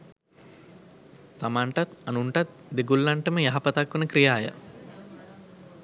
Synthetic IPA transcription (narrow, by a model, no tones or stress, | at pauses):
t̪amaɳʈat̪anuɳʈat̪̚d̪eɡulːaɳʈəməjaɦapɐt̪akʋənəkɾijaːjə̰